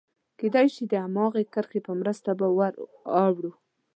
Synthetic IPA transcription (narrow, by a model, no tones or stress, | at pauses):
ked̪ɑjʃid̪əamɑɣekəɾxepəmɾəst̪abawaɾɑwɽu